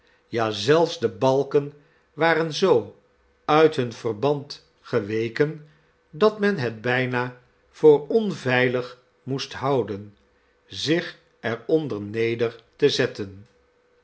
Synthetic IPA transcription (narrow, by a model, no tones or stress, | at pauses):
jaːzɛlˠfzdəbɑlˠkən | ʋaːrənzow | œɥtɦɵnv̥ərbɑnt | χəʋejkən | dɑtmɛnɦɛd̚bɛjnaː | v̥ʊːɹɔnvɛjləχ | mustɦɑwdən | zɪχ | ɛɹɔndəɹnejdəɹtəzɛtən